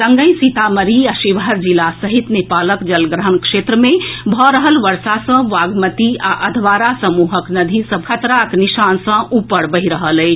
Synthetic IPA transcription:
səŋɡə̃j̃sit̪aməɾiaʃiʋɦəɾd͡ʒilasəɦit̪nepaləkd͡ʒəlɡɾəɦənkʃeːt̪ɾəmẽbʱɔɾəɦəlʋəɾsasə̃ʋaːɡmət̪iaʔəd̪ʱʋaːɾasəmuːɦəknəd̪ʱisəbkʰət̪ɾakniʃaːnsə̃ʔupəɾbəɦiɾəɦəlɛː

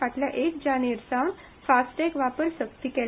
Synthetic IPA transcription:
aʈ̪ljaʔekd͡ʑaneɾsawɳ | fasʈekʋapəɾsək̚t̪iːkɛl

